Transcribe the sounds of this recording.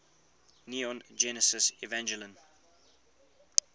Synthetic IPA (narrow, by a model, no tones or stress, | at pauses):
niɔ̃nd͡ʒɛnəsɪsivɛ̃nd͡ʒələ̃n